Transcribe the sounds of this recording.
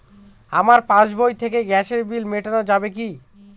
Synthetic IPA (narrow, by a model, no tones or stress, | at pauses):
amaɾpãd͡ʑbojt̪ʰek̬eɡɛʃeɾbilmeʈanod͡ʑabek̬i